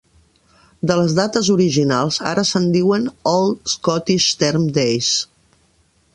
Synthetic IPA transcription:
d̪ələzðat̪əzuɾiʒinalˠza̰ɾəsənd̪iwənɔlˠskɔt̪iʃt̪ɛɾmd̪ejs

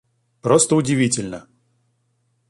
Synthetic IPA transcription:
pɾost̪əʊdʲɪvʲitʲɪlʲnə

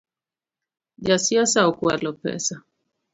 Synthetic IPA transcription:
d͡ʒasiasaokwalopɛ̰sa

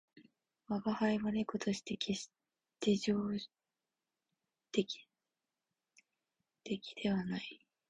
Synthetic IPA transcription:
βaɡahaiβanekot̪oɕi̥t̪ekʰe | t̪eʑoː | t̪ekʲi̥ | t̪ekʲi̥d̪̥e̞βanai

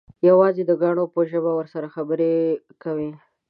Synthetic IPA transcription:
jawɑzed̪əɡɑɽ̃opəʒəbawəɾsaɾaxabəɾe | kawi

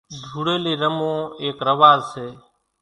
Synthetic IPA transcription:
d͡ʒʱuːɽeːleːɾəmõːeːkɾəʋaːzseː

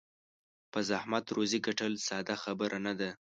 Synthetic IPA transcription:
pəzahmat̪ɾoziɡaʈəlsɑd̪axabəɾʔanad̪a

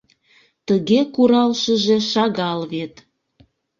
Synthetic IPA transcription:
t̪əɣekuɾɑlʃəʒeʃɑɣɑlβet̪

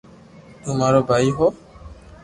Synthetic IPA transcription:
t̪umaɾɔbaiɦɔ

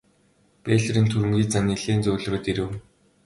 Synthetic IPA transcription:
peːɮɘ̆ɾiːnt̪ʰuɾɘ̆mɡʲiːt͡saniɮeːnt͡sʊːɮroːt̪iɾɘ̆w

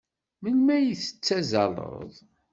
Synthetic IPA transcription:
mənmæjiθə̥t͡sːæzɑ̰lˤə̰ðˤ

